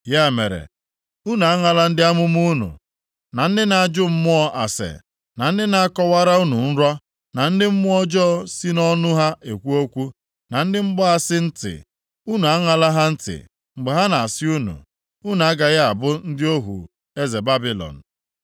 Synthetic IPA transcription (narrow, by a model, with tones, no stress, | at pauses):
ja˦˨me˨ɾḛ˨ | u˦nu˨a˦ŋa˨la˦n̩˦dɪ˦a˦mʊ˦m˦u˦nṵ˨ | na˨n̩˦dɪ˦na˨a˨d͡ʒʊ˦m̩˦mʊ˦ɔ˦ʔa˨sḛ˨ | na˨n̩˦dɪ˦na˨a˦kɔ˦wa˦ɾa˦u˦nu˨n̩˦ɾɔ˦ | na˨n̩˦dɪ˦m̩˦mʊ˦ɔ˦d͡ʒɔ˦si˦nɔ˦nʊ˦ɦa˦ʔe˨kʷu˦o˦kʷu˦ | na˨n̩˦dɪ˦ŋ͡m̩˦ɡ͡bɔ˦a˦sɪ˦n̩˦tɪ̰˨ | u˦nu˨a˦ŋa˨la˦ɦa˦n̩˦tɪ̰˨ | ŋ͡m̩˨ɡ͡be˨ɦa˦na˨a˨sɪ˦u˦nṵ˨ | u˦nu˨a˦ɡa˨ɣa˦a˨bʊ˦n̩˦dɪ˦o˦ɦṵ˨ | e˦ze˨ba˦bi˦lɔ̰˨n̩˨